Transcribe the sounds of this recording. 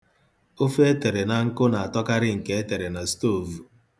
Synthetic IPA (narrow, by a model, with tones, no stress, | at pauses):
o˦fe˦te˨ɾe˨na˨ŋ̩˦kʊ˦na˨a˨tɔ˦ka˦ɾɪ˦ŋ̩˨ke˦e˦te˨ɾe˨na˨sto˦˨vu˨